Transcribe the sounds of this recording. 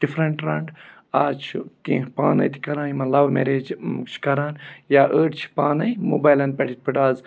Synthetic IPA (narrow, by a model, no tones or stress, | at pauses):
ɖ̥ifʰɾɐɳʈɾɐɳɖ | aːt͡ʃʰt̪ḭ̃ːpaːnɐ̰jt̪ʰi̥kɐɾãːnimɐlɐʋmḛɾeːd͡ʒt͡ʃʰi̥kɐɾaːnjaːʔəːʈt͡ʃʰi̥paːnɐjmo̰ːbaːjlɐnpɐʈʰit̪̚pʰɨʈaːz